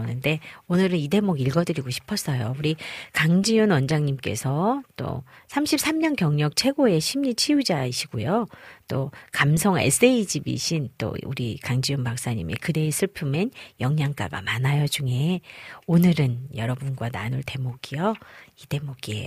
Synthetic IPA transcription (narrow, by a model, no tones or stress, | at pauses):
nɯnde̞onɯɾɯnide̞moɡiɭɡʌdɯɾiɡoɕʰi̥pʰʌs͈ʌjouɾikaŋd͡ʑijunwʌnd͡ʑaŋɲimk͈e̞̰sʰʌt͈o̰sʰamɕʰip̚s͈ʰamɲʌnkjʌŋɲʌk̚t͡ɕʰe̞ɡoe̞ɕʰimɲit͡ɕʰijud͡ʑaiɕʰiɡojot͈okamsʰʌŋḛs͈e̞id͡ʑibḭɕʰint͈o̰ṵɾikaŋd͡ʑijunpak̚s͈aɲḭmḭkɯde̞ːsʰɯɭpʰɯmenjʌŋɲaŋk͈a̰ɡa̰manajʌt͡ɕuŋe̞onɯɾɯnjʌɾʌbunɡwana̰nuɭte̞moɡijʌid̥e̞moɡiḛ